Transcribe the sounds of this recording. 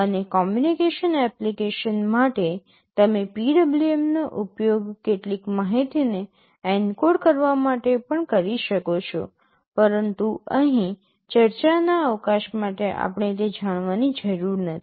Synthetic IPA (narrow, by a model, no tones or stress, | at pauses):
ənekɔmjunikeʃənɛplikeʃənmaʈe | t̪əmepiɖəbliemnoʔʊpjoɡkeʈlikmaɦit̪ine | ɛnkoɽkəɾʋamaʈepəɳkəɾiʃəkot͡ʃʰo̰ | pəɾənt̪uəɦĩ | t͡ʃəɾt͡ʃanaəʋkaʃmaʈeʔa̰pɳ̃et̪ed͡ʒaɽ̃ʋanid͡ʒəɾuɾnət̪ʰi̥